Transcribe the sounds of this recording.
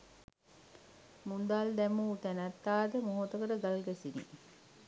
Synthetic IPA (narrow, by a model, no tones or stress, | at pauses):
mund̪ald̪æmut̪ænæt̪ːaːd̪əmoɦot̪əkəʈəɡalɡɛsinḭ